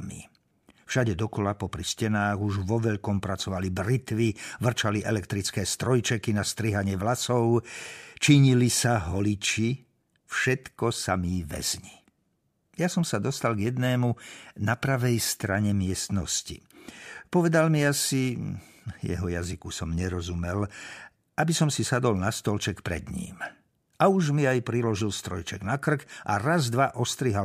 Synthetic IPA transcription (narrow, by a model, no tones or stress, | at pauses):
mḭ | fʃaɟɛd̪ɔkɔlapɔpɾiscɛnaːɣuʒʋɔʋɛʎkɔmpɾat͡sɔʋalibɾit̪ʋiʋr̩t͡ʃaliʔɛlɛkt̪ɾit͡skɛːst̪ɾɔjt͡ʃɛkinast̪ɾiɦaɲɪɛʋlasɔʊt͡ʃiɲilisaɦɔlit͡ʃi | fʃɛt̪kɔsamiʋɛ̰zɲi | jasɔmsad̪ɔst̪alɡjɛd̪nɛːmunapɾaʋɛjst̪ɾaɲɛmɪɛst̪nɔ̰scḭpɔʋɛd̪almiasi | jɛ̰ɦɔjazikusɔmɲɛɾɔzumɛl | abisɔmsisad̪ɔlnast̪ɔlt͡ʃɛkpɾɛ̰d̪ɲḭːm | auʒmiajpɾilɔʒilst̪ɾɔjt͡ʃɛɡnakr̩kʔa̰ɾazd̪ʋaʔɔst̪ɾiɦal